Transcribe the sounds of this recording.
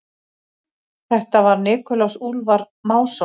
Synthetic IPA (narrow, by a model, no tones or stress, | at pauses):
θɛht̪avaɾnɪːkʏlawsulvaɾ | maːwsɔ